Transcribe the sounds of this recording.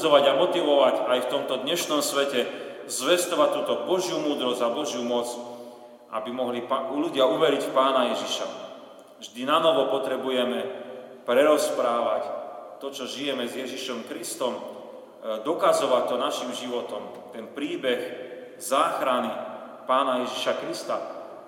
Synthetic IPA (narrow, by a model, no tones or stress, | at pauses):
ɔʋaɟamɔt̪iʋɔʋacajft̪ɔmt̪ɔd̪ɲɛʃnɔmsʋɛcɛzʋɛst̪ɔʋat̪ːuːt̪ɔbɔʒjumuːd̪ɾɔzabɔʒjumɔt͡s | ʔabimɔɦliluɟɪauʋɛɾicfpaːnajɛʒiʃa̰ | vʒd̪inanɔʋɔpɔt̪ɾɛbujɛmɛpɾɛɾɔspɾaːʋact̪ɔt͡ʃɔʒijɛmɛzjɛʒiʃɔmkɾist̪ɔm | d̪ɔkazɔʋac̚t̪ːɔnaʃimʒiʋɔt̪ɔm | t̪ɛnpɾiːbɛx | zaːxɾani | paːnajɛʒiʃakɾist̪a